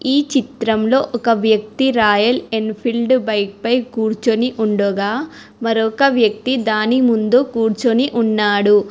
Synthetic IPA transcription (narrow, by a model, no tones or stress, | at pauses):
iːt͡ʃit̪ɾɐmlo̞ːʔɔkɐʋjɐk̚t̪iɾaːjɐlenpʰilɖbɐjk̚pɐjkuːɾt͡ʃoniʔuɳɖɔːɡaː | mɐɾɔkɐʋjɐk̚t̪id̪aːnimund̪ukuːɾt͡ʃoniʔunːaːɽu